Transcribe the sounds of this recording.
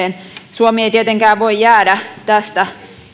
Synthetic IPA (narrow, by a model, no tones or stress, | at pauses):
ensuomieit̪iet̪eŋkæːʋʋoijæːdæt̪æst̪æ